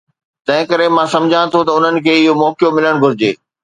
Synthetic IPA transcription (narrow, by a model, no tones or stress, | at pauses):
t̪ɐ̃ɦɪ̃kɐɾemãsɐ̃md͡ʑʱãt̪ʰot̪ɐʊn̤ənɪ̆kʰeːɪɦomɔːkjomɪləɽ̃ɡʱʊɾɪd͡ʑḛː